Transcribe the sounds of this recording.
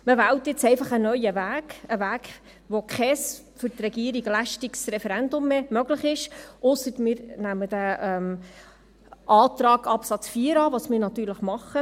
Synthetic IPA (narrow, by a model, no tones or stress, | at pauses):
məʋæːwt̪jɪt͡sɛɪfɑχənœʏəvæːɡəʋæːɡ | ʋokχɛs | fʏɾt̪rɛɡiəɾiɡlæʃtiksrɛfɛɾændʊmːemœɡləχɪʃʔʊsətmɪːɾnæməd̥æʔɛm | ʔɑːt̪ɾɑːɡɑpsɑt͡sfiːəɾɑːʋɑsmɪɾnɑt̪yːɾləχmɑχə